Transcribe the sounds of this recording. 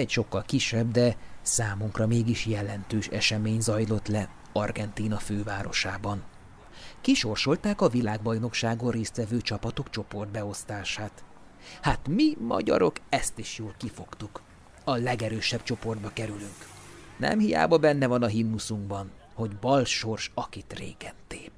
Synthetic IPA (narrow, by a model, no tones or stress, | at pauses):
ɛcʃo̞kːɒlkiʃɛbd̪ɛsaːmuŋkrɒmeːɡiʃjɛlɛnt̪øːʃɛ̰ʃɛmeːɲzɒjlo̞t̪lɛ | ɒrɡɛnt̪iːnɒføːvaːɾo̞̰ʃaːbɒn | kiʃo̞rʃo̞lt̪aːkɒvilaːɡbɒjno̞kʃaːɡorreːst̪vɛvøːt͡ʃɒpɒt̪o̞kt͡ʃo̞po̞rd̪̚bɛo̞st̪aːʃaːt̪ | hat̪mimɒ̰ɟɒ̰ɾo̞kɛst̪iʃjoːlkifo̞kt̪uk | ɒlɛɡɛɾøːʃɛb̥t͡ʃo̞po̞rd̪̚bɒkɛɾylyŋk | nɛ̰mhija̰ːbɒbɛnːɛvɒnɒɦinːusuŋɡbɒn | ho̞ɟbɒlʃo̞rʃɒkit̪rḛːɡɛnt̪eː